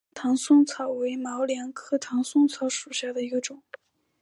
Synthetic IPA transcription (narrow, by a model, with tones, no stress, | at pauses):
t̪ʰɑ˧˥ŋsʊ˥˧ŋt͡sʰɑ˨˩ʊwe˧˥ɪmɑ˧˥ʊljɑ˧˥ŋkʰɤ˥˩t̪ʰɑ˧˥ŋsʊ˥˧ŋt͡sʰɑ˧˥ʊʂu˨˩ɕja˥˩d̪ə˩i˧˥ɡə˧ʈ͡ʂʊ˨˩˦ŋ